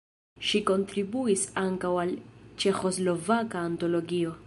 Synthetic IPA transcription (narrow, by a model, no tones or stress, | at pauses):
ʃiko̞ntɾibuisaŋkawalt͡ʃe̞xo̞zlo̞vakaːnto̞lo̞ɡio̞